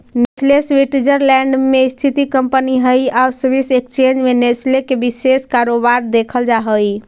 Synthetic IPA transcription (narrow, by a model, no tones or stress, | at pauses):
neslesʋiʈid͡ʒəɾlɛ̃ɳɖmest̪ʰit̪ikəmpəniɦəjausbisekt͡ʃend͡ʒmeneslekebiseskaɾobaɾd̪ekʰəld͡ʒaɦəj